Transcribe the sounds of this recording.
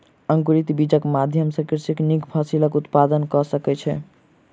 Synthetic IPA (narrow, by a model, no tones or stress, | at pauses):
əŋkuɾit̪bid͡ʒəkmad̪ʱjəmsəkiɾsiknikpʰasiləkut̪pad̪ənkɔsəkɛt͡ʃʰɛ̰